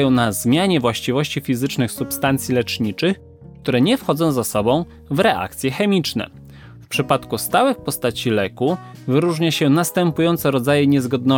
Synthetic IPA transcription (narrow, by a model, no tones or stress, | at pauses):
jɔ̃w̃nazmʲjaɲɛvwaɕt͡ɕivɔɕt͡ɕifʲizɘt͡ʂnɘxsupst̪ant̪sʲjilɛt͡ʂɲit͡ʂɘx | kt̪uɾɛɲɛfxɔd̪zɔ̃w̃zasɔbɔ̃w̃ | vɾɛʔa̰kt̪sʲjɛxɛmʲit͡ʂnɛ̰ | fpʂɘpat̪kust̪awɘxpɔst̪at͡ɕilɛkuvɘɾuʐɲaɕɛnast̪ɛmpujɔnt̪sɛɾɔd̪zajɛɲɛzɡɔd̪̚nɔ